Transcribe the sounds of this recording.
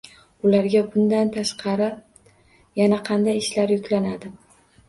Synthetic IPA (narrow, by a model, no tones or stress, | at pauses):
ʊlaɾɡʲabʊnd̪ant̪ʰaʃqʰɑɾɪ | janaqʰɑnd̪ajɪʃlaɾjʊkʲlanad̪ɪ